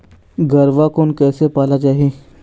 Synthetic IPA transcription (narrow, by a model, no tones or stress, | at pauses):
ɡɐɾʋakoːnkɛːsepaːlat͡ʃaːɦeː